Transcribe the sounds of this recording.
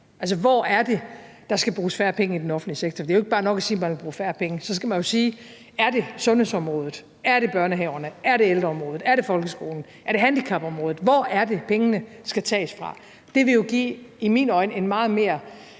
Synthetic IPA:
æls̬əʋɒ̰ːæɐd̥e̝ | d̥ɑ̈sɡ̥æb̥ʁuːsfæɐpʰeŋəid̥enɒ̽fn̩̥liseɡ̥̚t͡sʰɒd̥eæjo̝e̝ɡ̥̚b̥ɑ̈ːnɒ̽ɡ̥æsiːmænʋelb̥ʁuːfæːɐpʰeŋəsɒ̽sɡ̥æmænjo̝siː | æɐd̥e̝sɔ̽nhe̝sɒ̽mʁɔ̽ːð̞ˠð̩ˠ | æɐɾe̝b̥ɶɐnəɦɛʊɐnəæɐɾe̝eld̥ʁɐɒ̽mʁɔ̽ːð̩ˠæɐɾ̥e̝fɒ̽lɡ̥əsɡ̥o̝̰ːln̩ | ʔæɐɾe̝ɦænd̥ikʰɑ̈b̥ɒ̽mʁɔ̽ːð̩ˠʋɒ̰ːæɐde̝pʰeŋənə | sɡ̥æt͡sʰɛ̰ːsfʁɑ̈ | d̥e̝ʋe̝jo̝ɡ̥ḭːimiːnɒ̽ɪnəe̝nmɑ̈ːð̩ˠme̝̰ːɐ

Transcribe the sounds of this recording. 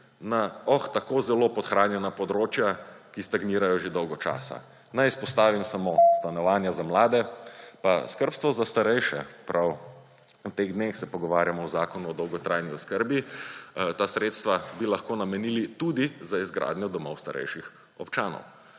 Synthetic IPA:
naɔxt̪akoːzɛlopɔt̪xɾaːnjɛnapɔd̪ɾot͡ʃjakist̪aɡniːɾajɔʒed̪ɔwɡɔt͡ʃa̰ːsa̰ | nɛjispɔst̪aːʋimsamost̪anɔʋaːnjazamlaːd̪ɛpaskəɾpst̪ʋɔzast̪aɾɛjʃɛ̰pɾʔaw | ut̪eɣd̪nexsɛpɔɡɔʋaːɾjamɔwzaːkɔnuɔd̪ɔwɡɔt̪ɾajniɔskəɾbi | t̪asɾet̪st̪ʋabilaxkoːnamɛnilit̪ud̪izaizɡɾʔa̰d̪nʲjɔd̪ɔmɔwst̪aɾʔɛ̰jʃix | ɔpt͡ʃaːnɔ̰w

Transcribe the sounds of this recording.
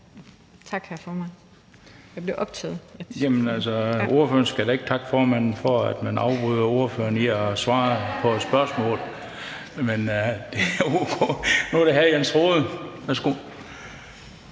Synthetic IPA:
t͡sʰɑ̈ɡ̥hæɐfɒːmæn | jɑɪb̥leʔɒb̥̚t͡sʰɛð̩ˠjemnælsɒʔo̝ɐføɐnsɡ̥æɾ̥ɑe̝ɡ̥̚t͡sʰɑ̈ɡ̥fɒːmæn̰n̩fɒæd̥mænɑ̈ʊb̥ʁuðˠɐo̝ɐfø̰ɐniɒsʋɑ̈ːpʰɒ̽ed̥sb̥ɶɐsmɔ̰ːlˠ | mend̥e̝æuɡ̥ʰonuɐɾ̥eɦæjænt͡sʰʁoːðˠəʋæsɡ̥u

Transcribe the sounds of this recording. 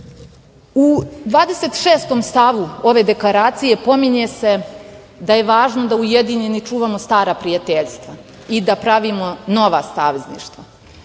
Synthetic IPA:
ud̪ʋaːd̪ese̞t̪ʃeːst̪o̞mst̪aʋuo̞ʋe̞d̪e̞klaɾaːt̪sije̞po̞miɲese̞ | d̪aje̞ʋaːʒno̞d̪aujed̪iɲenit͡ʂuːʋamo̞st̪aːɾapɾijat̪eʎst̪ʋa | id̪apɾaʋimo̞no̞ʋa̰saːʋeznḭːʃt̪va

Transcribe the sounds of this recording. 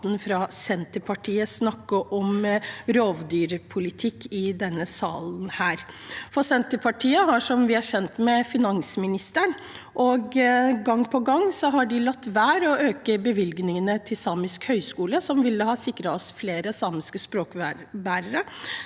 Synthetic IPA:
n̩fɾɑsɛnt̪əpʰɑʈʰiːəsnɑkːəʔɔmɾoːʋd̪yːɾəpʰʊlɪt̪ʰɪkːɪd̪ɛnːəsɑːln̩hæːɾ | fɔsɛnt̪əpʰɑʈʰiːəɦɑʂɔmʋɪæɕɛnt̪mɛfɪnɑŋsmɪnɪst̪əɳ | ʔɔɡɡɑŋːpʰɔɡɑŋːsɔɦɑɖɪlɑt̪ːʋæːɾɔøːkəbəʋɪlɡnɪŋənət̪ʰɪlsɑːmɪskhœʏskuːləsɔmʋɪlːəhɑːsɪkɾɑɔsfleːɾəsɑːmɪskəspɾoːkːbæːɾəɾə

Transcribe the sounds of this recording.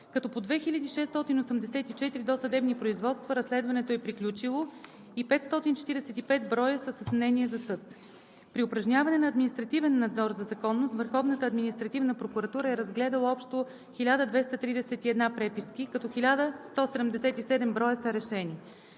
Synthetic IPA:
kɐt̪ɔpod̪vɛxilʲəd̪iʃɛst̪ɔt̪inosɛmd̪ɛsɛt̪it͡ʃɛt̪iɾid̪osɐd̪ɛbnipɾoizvɔt̪st̪vəɾɐslɛd̪vɐnɛt̪oɛpɾiklʲut͡ʃilˠo | ipɛt̪st̪ɔt̪int͡ʃɛ̥t̪iɾɛsɛt̪ipɛt̪bɾɔjəsəsəsmnɛniɛzɐsɤt̪ | pɾiʊpɾɐʒnʲavɐnɛnɐːd̪minist̪ɾɐt̪ivɛnːɐd̪zɔɾzɐzɐkɔnːost̪vəɾxɔvnət̪əɐd̪minist̪ɾɐt̪ivnəpɾokuɾɐt̪uɾəɛɾɐzɡlɛd̪ɐlˠəɔpʃt̪o | xilʲad̪əd̪vɛst̪ət̪ɾid̪ɛsɛt̪iɛd̪napɾɛpiskikɐt̪ɔxilʲad̪əst̪ɔsɛd̪ɛmd̪ɛsɛt̪isɛd̪ɛmbɾɔjəsəɾɛʃɛni

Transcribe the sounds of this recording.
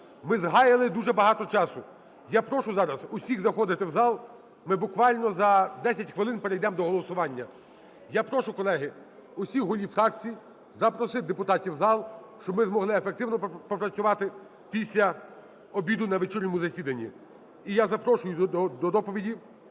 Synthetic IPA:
mɪzɦɑjɪlˠɪd̪uʒɛbɐɦɑt̪ɔt͡ʃɑsʊ | japɾɔʃʊzɑɾɐzʊsʲiɣzɐxɔd̪ɪt̪ɪwzɑlˠ | mɪbʊkʋɑlʲnɔzɐd̪ɛsʲɐtʲxʋɪlˠɪnpeɾejd̪ɛmd̪ɔɦɔlˠɔsʊʋɑnʲːɐ | japɾɔʃʊkɔlˠɛɦɪ | ʊsʲixɦʊlʲifɾɑk̚t͡sʲiji | zɐpɾɔsɪd̪epʊt̪ɑtʲiwzɑlˠʃt͡ʃɔbmɪzmɔɦlˠɪefekt̪ɪwnɔpɔpɾɐt͡sʲʊʋɑt̪ɪ | pʲisʲlʲɐ | ɔbʲid̪ʊnɐʋet͡ʃiɾʲnʲɔmʊzɐsʲid̪ɐnʲːḭ | ijazɐpɾɔʃʊjʊɔd̪ɔd̪ɔpɔʋʲidʲi

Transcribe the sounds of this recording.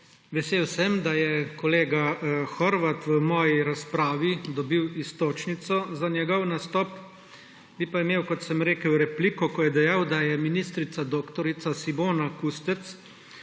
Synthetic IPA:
ʋɛseːwsɛmd̪ajɛkɔleːɡaxɔɾʋat̪ʋəmɔːjiɾaspɾaːʋid̪ɔbiwist̪oːt͡ʃnit̪sɔzanʲjɛɡɔwnast̪ɔːp | bipaimeːwkɔt̪sɛmɾeːkəwɾɛpliːkɔkɔjɛd̪ɛjawd̪ajɛminist̪ɾit̪sad̪oːkt̪ɔɾit̪sasimoːnakust̪ɛt̪s

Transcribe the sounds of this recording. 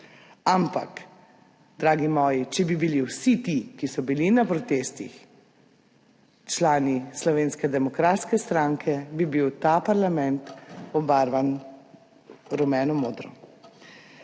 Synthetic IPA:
ampa̰k | d̪ɾaːɡimɔːjit͡ʃɛbibiliwsit̪ikisɔbilinapɾɔt̪est̪ḭx | t͡ʃlaːnislɔʋeːnskɛd̪ɛmɔkɾaːt̪skɛst̪ɾaŋkʰɛbibiwt̪apaɾlamɛ̃nt̪ɔbaɾʋan | ɾɔmɛːnɔmoːd̪ɾɔ

